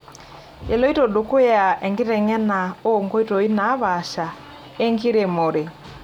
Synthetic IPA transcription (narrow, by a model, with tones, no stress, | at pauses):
e˨lɔ˦i˦to˨do˨ko˦ja˨ʔɛ˨ŋɡi˦ɾɛ˨ŋɛ˦na˨o˦˨ŋɡɔ˦i˦tɔ˨i˦na˨˦βa˨ʃa˨ | e˦ŋɡi˦ɾe˨mo˨ɾe˨